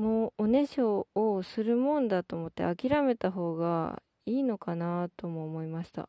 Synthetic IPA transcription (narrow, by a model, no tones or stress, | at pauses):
moːone̞ɕoːsɨɾɯ̟mõ̞nd̪at̪o̞ːmot̪ːḛakʲiɾame̞t̪aɦo̞ːɡa̰ | iːno̞kanat̪o̞moːmo̞imaɕi̥t̪a̰